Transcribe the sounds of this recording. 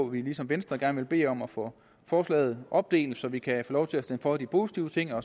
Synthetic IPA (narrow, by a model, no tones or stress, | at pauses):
ʋilisɒ̽mʋensd̥ʁɐɡ̥æɐnʋe̝lb̥e̝̰ːɒ̽mɒfɔ | fɒːslɛ̰ːð̞̩ˠʔɒ̽b̥̚d̥e̝̰ːl̥sɒ̽ʋikʰæfɔːlɒʊt͡sʰe̝læsd̥enfɒ̽d̥ipʰo̝ːsi̥t͡sʰiʊət͡sʰe̝ŋ̰ɒ̽